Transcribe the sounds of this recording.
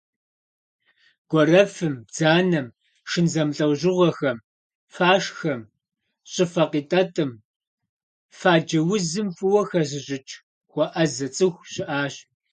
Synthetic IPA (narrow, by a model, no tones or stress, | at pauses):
ɡ̥ʷɔrɐfɨmd͡zaːnɐm | ʂɨnzɐmɬʼɐwʑɪʁʷɐxɐm | faːʂxɐm | ɕʼɪfɐqiːtʼɐtʼɨm | faːd͡ʒɐwʊzɨmfʼɨwɐxɐz̬ɪʑʼɪt͡ʃʼʰ | xʷɔʔɐzɐt͡sʼɨxʷɕɪʔaːɕ